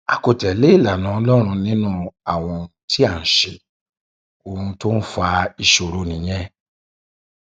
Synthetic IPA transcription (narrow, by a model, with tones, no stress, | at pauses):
a̰˨ko˨tɛ˨le˨˦i˦˨la˨nã˨˦ɔ˧lɔ˦ɾ̃ũ˧nĩ˦nũ˦a˨w̃ɔ̃˧ti˦a˦˨n̩˨ʃe˨ | o˨ũ˧to˦n̩˦fa˧i˧ʃo˨ɾo˨nĩ˨j̃ɛ̃˦